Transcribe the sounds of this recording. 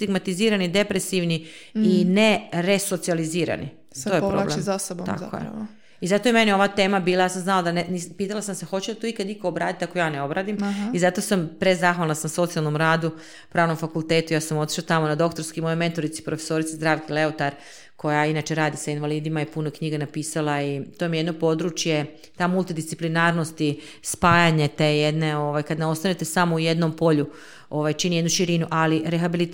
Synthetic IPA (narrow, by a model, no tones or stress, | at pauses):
st̪iɡmat̪iziːɾanid̪e̞pɾesiʋniineɾe̞so̞t̪sializiːɾa̰nḭ | ojepɾoblemasobt̪a̰t̪ko̰jḛ | izat̪o̞je̞menio̞ʋat̪eːmabiːlˠajaːsamznalod̪anenipiːt̪alasamsexo̞t͡ɕelt̪oikad̪ikoːbɾaːd̪it̪ako̞jaːneo̞bɾaːd̪imizat̪o̞sampɾezaxʋalˠnasamso̞t̪ialno̞mɾaːd̪u | pɾaːʋno̞mfakulˠt̪e̞ːt̪ujaːsamo̞t̪i̥ʃlat̪amo̞nad̪o̞kt̪o̞ɾskimo̞jojme̞nt̪o̞ɾit̪si̥pɾofeso̞ɾit̪sezd̪ɾaːʋkile̞ot̪aɾ | ko̞jainaːt͡ʃe̞ɾaːd̪isainʋaliːd̪imajepunokɲiɡanapiːsalˠait̪omijed̪no̞po̞d̪ɾut͡ʃje̞ | t̪amulˠt̪id̪ist̪i̥plinaːɾno̞st̪i | spaːjaɲet̪ejed̪ne̞o̞ʋajkad̪nao̞st̪anet̪e̞samouje̞d̪no̞mpo̞ʎu | o̞ʋajt͡ʃinijed̪nuʃiɾinuʔaliɾexabili